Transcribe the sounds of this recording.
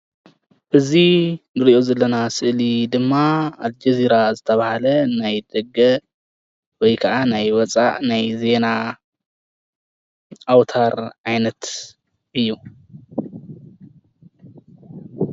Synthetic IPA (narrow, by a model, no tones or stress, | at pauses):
ʔɨzibɨɾiʔo̞zɐlːɐnasɨʔlid̪ɨmːaald͡ʒɐziɾazɨt̪ʰɐβahalɐnajd̪̥ɐɡɐ | wɔjkʰɐʔanajwɔt͡sʼa̰ʔnajze̞na | awt̪ʰaɾʔajnɐt̪ | ʔɨjːu